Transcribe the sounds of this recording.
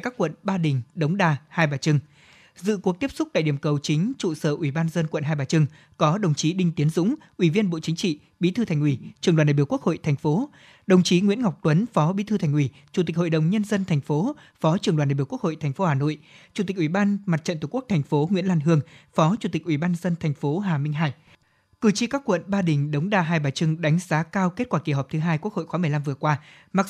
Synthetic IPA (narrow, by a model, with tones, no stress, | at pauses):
kaː˦˥kːwə̰˧˨nɓaː˧ɗï˨˩ŋ̟ɗə˨˦wŋ͡mɗaː˧˩haː˧jɓaː˨˩t͡ɕɨ˧ŋ | zɨ̰˧˨ku˨˩ək̚t̪i˦˥p̚sʊ˦˥k͡p̚ɗa̰ː˧˨jɗi˨˩əmkə˨˩wt͡ɕï˨˦ŋ̟t͡ɕṵ˧˨səː˧˩ʔwi˧˩ɓaː˧nzə˧nkwə̰˧˨nɦaː˧jɓaː˨˩t͡ɕɨ˧ŋ | kɔ˨˦ɗə˨˩wŋ͡mt͡ɕi˨˦ɗï˧ŋ̟t̪i˨˦ənzʊ̰˧˥ŋ͡mʔwi˧˩vi˧ənɓo̰˧˨t͡ɕï˨˦ŋ̟t͡ɕḭ˧˨ | ɓḭ˧˥t̪ʰɨ˧t̪ʰjŋ̟ʔwi˧˩t͡ɕɨ˨˩ŋlaː˨˩nɗaː˨˩˧ku˥k̚ho̰˧˨jt̪ʰɛ˨˩jŋ̟fo˨˦ | ɗə˨˩wŋ͡mt͡ɕi˨˦ŋwḭ˧˥ənŋa˨˩wk͡p̚t̪wə˨˦nfɔ˨˦ɓi˧˥t̪ʰɨ˧t̪ʰɛ˨˩jŋ̟ʔwi˧˩ | t͡ɕu˨˩t̪i˨˩k̟̚ho̰˧˨jɗə˨˩wŋ͡mɲə˧nzə˧nt̪ʰɛ˨˩jŋ̟fo˨˦ | fɔ˨˦t͡ɕɨ˨˩əŋɗaː˨˩nɗaː˨ɓku˥kho̰˧˨jt̪ʰɛ˨˩ŋ̟fo˨˦haː˧˩no̰˧˨jt͡ɕu˨˩t̪i˨˩k̚ʔwi˧˩ɓaː˧nma˨˩t̚t͡ɕə̰˧˨nt̪u˨˩ku˦˥t̪ʰɛ˨˩ŋ̟fo˨˦ŋwḭ˧˥ənlaː˧nɦɨ˧əŋfɔ˨˦t͡ɕu˧˩t̪i˨˩k̟̚ʔi˧˩ɓaː˧nzə˧nt̪ʰa˨˩jŋ̟fo˨˦ɦaː˨˩mï˧ŋ̟ɦaː˧j | kɨ˨˩t͡ɕi˧kaː˦˥kːwə̰˧˨nɓaː˧ɗï˨˩ŋ̟ɗə˨˦wŋ͡mɗaː˨˩ɦaː˧jɓaː˨˩t͡ɕɨ˧ŋɗa˨˦jŋ̟zaː˨˦kaː˧wke˦˥t̚kwaː˧˩ki˧˩ɦɔ˨˩p̚t̪ʰɨ˨˦ɦaː˧jku˦˥ək̚ho̰˧˨jxaː˨˦mɨ˨˩əjla˧mvɨ˨˩əkwaː˧ | ma˨˩k̚